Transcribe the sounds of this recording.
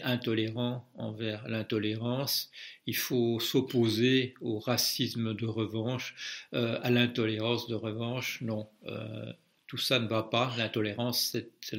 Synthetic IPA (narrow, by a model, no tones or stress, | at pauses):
ʔɛ̃t̪ɔleʁɑ̃ɑ̃vɛʁlɛ̃t̪ɔleʁɑ̃silfosɔpozeoʁasismd̪əʁəvɑ̃ʃøalɛ̃t̪ɔleʁɑ̃sd̪əʁəvɑ̃ʃnɔ̃ø̰ | t̪usanəvapalɛ̃t̪ɔleʁɑ̃sːɛt̪